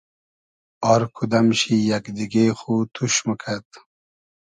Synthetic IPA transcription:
ɑɾkʰud̪ɐmɕijakd̪iɡexut̪ʰuɕməkʰat̪

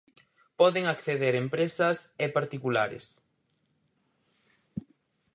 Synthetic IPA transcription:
pɔðɪŋakθeðeɾempɾesɐsepaɾt̪ikula̰ɾɪ̰s

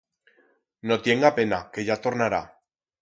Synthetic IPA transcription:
no̞t̪je̞ŋɡape̞nake̞ʝat̪o̞ɾnaɾa̰

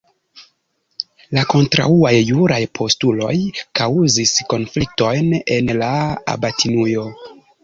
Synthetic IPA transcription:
lako̞ntɾa̰uajːuɾajpʰo̞stulo̞̰jkawzisko̞nflik̚to̞jnenlaa̰batʰinujo̞

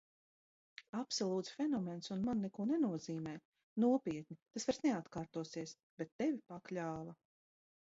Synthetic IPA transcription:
apsɔlˠuːt̪sfʲɛnɔmensunmanːɛkuɔnɛnuɔziːmɛː | nuɔpʲiɛt̪̚nit̪asvaɾsnɛat̪kaːɾt̪uɔsiɛs | b̥et̪ːɛvipaklʲaːvɐ

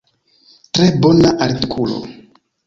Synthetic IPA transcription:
tɾebonaʔaɾtikʰulo̰

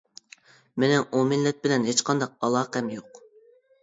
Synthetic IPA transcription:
mɪnɛʔomɪnlːɛt̪̚bɪlɛnɦet͡ʃqʰɑnd̪ɑq̚ɑlˠɑːqɛmjoq

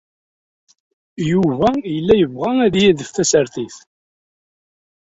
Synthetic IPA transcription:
juvæjəlːæjəvʁææðjæðəfθæsəɾθiθ

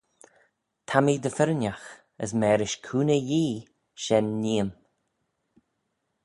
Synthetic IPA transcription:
t̪ʰamid̪əfɪɾənʲax | ə̰smɛːɾɪʃkʰuːnəjiː | ʃɛnːiːəm

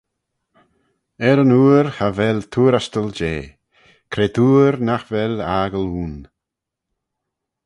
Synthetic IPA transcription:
ɛɾənuːɾhavɛlt̪ʰuːɾast̪əld͡ʒeː | kʰɾeːd̪ʰuːɾnaxvɛlaːɡəluːn

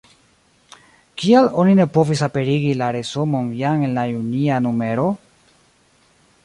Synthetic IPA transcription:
kialo̞nine̞po̞visape̞ɾiɡilaɾe̞somo̞njaŋe̞nlajunianume̞ɾo̞

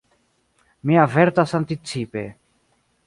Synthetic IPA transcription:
miaveɾt̪asant̪it͡sipḛ

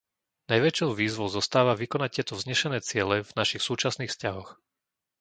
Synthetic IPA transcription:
najʋɛt͡ʃɔʊʋiːzʋɔʊzɔst̪aːʋaʋikɔnac̚ɪjɛt̪ɔvzɲɛʃɛnɛːt͡sɪɛlɛvnaʃixsuːt͡ʃasniːxfscaɦɔx

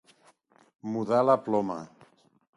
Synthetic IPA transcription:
muðalaplɔma̰

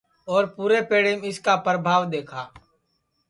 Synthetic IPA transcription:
ɔːɾpuːɾepeːɽemɪskapɾəbʱaːʋd̪eːkʰaː

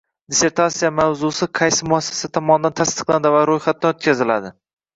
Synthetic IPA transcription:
d̪ese̞ɾt̪ʰat̪sijamawzʊsɪqʰɑjsɪmʊasːḁsat̪ʰɒmɒnɪd̪ant̪ʰast̪ɨ̥qlˠand̪ɪvaɾojχat̪̚ːanot̪̚kʲʰazɪla̰d̪ɪ

